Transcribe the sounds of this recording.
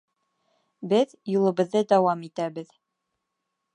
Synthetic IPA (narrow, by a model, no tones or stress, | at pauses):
bɘð | julˠɤ̆βɤ̆ðːɤd̪ɒwɑmit̪æbɘð